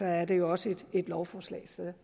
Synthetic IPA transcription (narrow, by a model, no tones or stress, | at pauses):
ɒ̽æɐd̥e̝jo̝ɒ̽səed̥e̝d̥lɒʊfɒːslɛ̰ɪse